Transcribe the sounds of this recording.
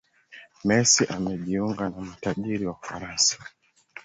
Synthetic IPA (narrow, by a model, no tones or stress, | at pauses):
mɛsiʔamɛʄiuŋɡanamataʄiɾiwaufa̰ɾansḁ